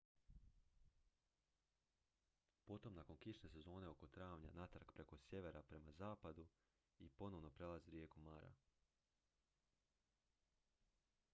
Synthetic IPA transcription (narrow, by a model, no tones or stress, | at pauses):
po̞t̪o̞mnako̞nkiʃne̞se̞zo̞ːne̞o̞ko̞t̪ɾaːʋɲa̰nat̪ɾakpɾe̞ko̞sje̞ʋe̞ɾapɾe̞mazaːpad̪u | ipo̞no̞ʋno̞pɾe̞laziwɾjeːkumaɾa̰